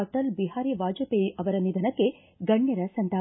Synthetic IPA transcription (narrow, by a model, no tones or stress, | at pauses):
ɐʈɐlbiɦaːɾiʋaːd͡ʒɐpeʔɐʋɐɾɐnid̪ʱɐnɐkːe | ɡɐɳjɐɾɐsɐnt̪aː